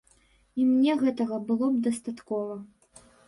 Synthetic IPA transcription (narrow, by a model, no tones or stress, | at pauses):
imnʲɛɣɛt̪ɐɣɐbɨlˠɔb̚d̪ɐst̪at̪kɔvɐ